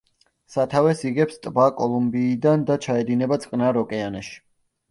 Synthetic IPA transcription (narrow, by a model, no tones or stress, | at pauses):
sat̪ʰavɛsiɡɛpst̪ʼbakʼɔlˠumbiːd̪and̪at͡ʃʰaɛd̪inɛbat̪sʼqʼnaɾɔkʼɛanɛʃi̥